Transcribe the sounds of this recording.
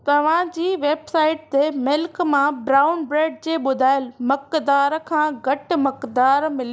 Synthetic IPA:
t̪ɐʋ̤ãd͡ʑiːʋeːbsaːɪʈ̚t̪emɪlkmãbɾaːʊnbɾeːɖd͡ʑeːɓʊd̪ʱaːɪlmɐkd̪aːɾkʰãːɡɐʈ̆mɐkd̪aːɾmɪli

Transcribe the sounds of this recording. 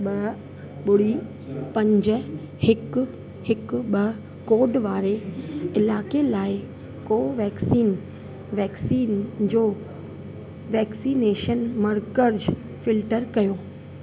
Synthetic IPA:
ɓɐ | ɓʊɽi | pɐ̃ɲd͡ʑə̆ | hɪk | hɪkɓɐ | koːɖʋaːɾeɪlaːkelaːɪ | koːʋɛːksiːn | ʋɛːksiːnd͡ʑoː | ʋɛːksiːneːʃənmɐɾkəɾd͡ʑ | fɪlʈəɾkɐjoː

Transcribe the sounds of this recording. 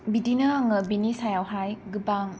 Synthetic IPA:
bidinɐaŋɯbinisajawɦajɡɯbaŋ

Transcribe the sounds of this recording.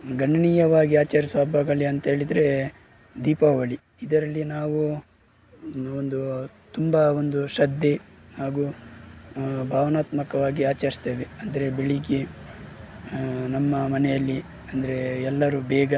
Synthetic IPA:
ɡɐɳːɐɳiːjɐʋaːɡiaːt͡ʃɐɾisʋaːbʱaːɡɐɭiɐnt̪ɐɦeːɭid̪ɐɾe̞ | d̪iːpaʋɐɭi | id̪ɐɾɐlːinaːʋu | ond̪u | t̪umbɐo̞nd̪uʃɐd̪ːenaːɡu | bʱaːʋɐnaːt̪mɐkɐʋaːɡiaːt͡ʃɐɾist̪eːʋeɐnd̪ɐɾe̞beɭiɡe | nɐmːɐmɐnɛjɐlːi | ɐnd̪ɐɾe̞ɛlːɐɾubɛːɡɐ

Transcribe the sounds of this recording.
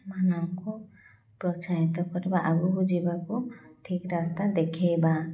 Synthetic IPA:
manɔŋku | pɾɔt͡ʃaɦit̪ɔkɔɾebaʔaɡubud͡ʒibakuʈʰikɾast̪ad̪ekʰeba

